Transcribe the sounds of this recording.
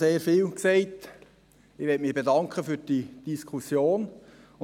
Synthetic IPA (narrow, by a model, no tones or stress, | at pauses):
seːɾfiːlksɛɪt | ɪʋɛtmɪb̥edɑŋkʰəfyːd̥id̥iskʰusjoːn | ʊ